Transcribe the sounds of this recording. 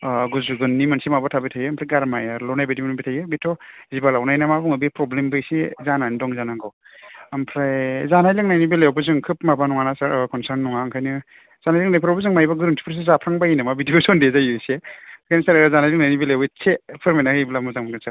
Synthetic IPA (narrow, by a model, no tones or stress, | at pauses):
ɡuzuɡɯnːimansimabatʰabitʰajɯmpʰɾajɡaɾmajaɾlɔnajbedimnubitʰajɯbitʰːɔzibalawnajnamabuŋɯbipɾɔblembɯjsezananidɔŋzanaɡɔw | ampʰɾajzanajlɯŋnajnibeleawbɯzɯŋkʰɯp̚mabanɔŋanasaɾkʰɔnsaɾnːɔŋaŋkʰajnɯ | z̥anajlɯŋnajpʰɾawbɯzɯŋmajbaɡɯɾɯntʰi̥pʰɾs̬izapʰɾaŋbainamabidiosɔndezajɯsekʰajnɯsaɾzanajlɯŋnajnibilajwbɯt͡ʃʰːepʰɯɾmenahɯjblamuzaŋmaɡɯnsaɾ